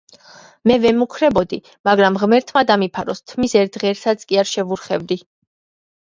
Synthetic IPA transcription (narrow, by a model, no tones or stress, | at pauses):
mɛvɛmukʰɾɛbɔd̪i | maɡɾamʁmɛɾt̪ʰmad̪amipʰaɾɔst̪ʰmisɛɾt̪̚ʁɛːɾsat̪sʰʼkʼiaɾʃɛvuɾχɛvd̪i